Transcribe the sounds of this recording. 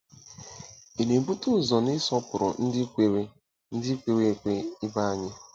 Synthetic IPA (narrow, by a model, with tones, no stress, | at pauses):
e˨le˨bu˦tu˦˨zɔ˨nɪ˦sɔ˦pʊ˨ɾɔ̰˨n̩˦dɪ˦e˨ɾe˦ | n̩˦dɪ˦kʷe˨ɾe˨kʷe˦ɪ˦ba˦a˨ɲɪ˦